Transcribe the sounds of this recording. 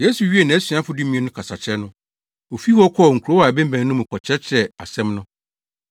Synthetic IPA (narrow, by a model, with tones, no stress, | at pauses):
je˦su˨ɥi˦e˨nã˨æ˦sɥa˦fʊ˦dũ˦mĩ˦ɛ̃˦nʊ̃˦kʰa˨sa˨t͡ɕʰɛ˦nʊ̃˦ | o˨fi˦hɔ˦kʰɔ˦˨ŋ̩˨kʰu˨ɾo˦a˨bɛ̃˦m˦bæ̃˨nː˦nʊ̃˦mũ˨kʰɔ˨t͡ɕʰɛ˦t͡ɕʰɾɛ˨a̰˨sɛ̃˦mnʊ̃˦